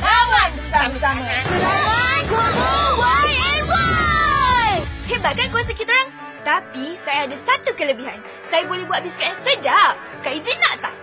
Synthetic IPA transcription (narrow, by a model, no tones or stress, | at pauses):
awa | asaa | wawa | hebat̪̚kankuasakit̪aoɾaŋ | t̪apisajaːdasat̪ukələbiɦan | sajabolɛhbuat̪̚biskaʔansədap̚ | kaʔizinaʔt̪ah